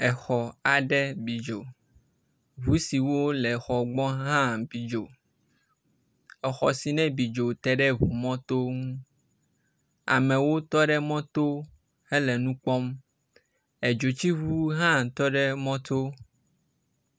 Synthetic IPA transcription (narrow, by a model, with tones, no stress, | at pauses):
ɛ˨xɔ˨a˨ɖɛ˦bi˨d͡ʒo˨ | βu˦si˨wo˦lɛ˨xɔ˨ɡ͡bɔ̃˦ɦã˦bi˨d͡ʒo˨ | ɛ˨xɔ˨si˨nɛ̃˦bi˨d͡ʒo˨t̪ɛ˦ɖɛ˦βu˨mɔ̃˦t̪o˦ŋũ˦ | a̰˨mɛ̃˨wo˦t̪ɔ˦ɖɛ˦mɔ̃˦t̪o˦ | he˦lɛ˨nũ˦k͡pɔ˦m | ɛ˨d͡ʒo˨t͡ɕi˦βu˦ɦã˦t̪ɔ˦ɖɛ˦mɔ̃˦t̪o˦